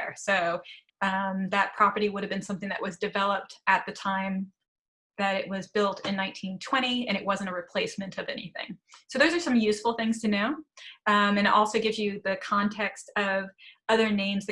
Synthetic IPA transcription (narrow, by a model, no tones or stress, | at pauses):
soʊ̃ | mðɨt̚pʰɹ̥ɑpə˞ɾiwʊɾɨvbɨ̃nsʌ̃mθɪ̃ŋðɨ̰ʔwʔʌzdɨvɛlˠəp̚tɨt̪̚ðɨtʰãɪ̃m | ðɨɾɪʔ̚wʌzbɪlˠtʰɨ̃nːãɪ̃ntʰĩntʰw̥ɛ̃ɾ̃iɨ̃ɾ̃ɨʔ̚wʌzɨ̃ntəɹɨpʰl̥eɪsmɨ̃ntʰʌvɛnḭθɪ̰̃ŋsoʊðoʊzə˞sʌ̃mjʉsfl̩ˠθɪ̃ŋz̥tʰɨnoʊʌ̃mɨ̃ñɨɾʔɔlˠsoʊɡɪvzjɨðɨkʰɑ̃ntʰɛkstʌvʌðə˞nẽɪ̃mzð